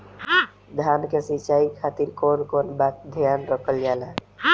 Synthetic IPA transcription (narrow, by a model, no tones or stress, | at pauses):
d̪ʱjankesit͡ʃaikʰat̪iɾkoːnkonbat̪̚d̪ʱjanɾɔkəld͡ʒala